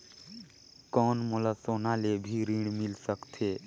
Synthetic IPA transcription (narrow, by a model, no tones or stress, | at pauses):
kɔnmolasoːnalebʱiɾĩɳmilsəkt̪ʰe